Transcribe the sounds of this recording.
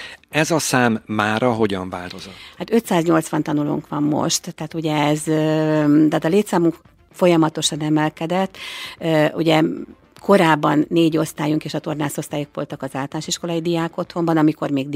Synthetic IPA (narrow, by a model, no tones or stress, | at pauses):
ɛzɒsaːmːaːɾɒɦo̞ɟɒɱvaːlt̪o̞zohat̪ø̞t̪saːzɲo̞lt̪sʋɒnt̪ɒnulṵŋkʋɒmːo̞̰ʃt̪ːɛːt̪uɟɛɛz | t̪aːt̪ɒleːt̪saːmuŋk | fo̞jɒmɒt̪o̞ʃɒnɛmɛlkɛd̪ɛt̪ː | uɟɛ | ko̞ɾaːbːɒnːeːɟo̞st̪aːjuŋkeːʃɒt̪o̞rnaːso̞st̪aːjukʋo̞̰lt̪ɒkɒzaːlt̪lanʃiʃko̞lɒjid̪ijaːko̞t̪ho̞mbɒnɒmiko̞rmeːɡ̪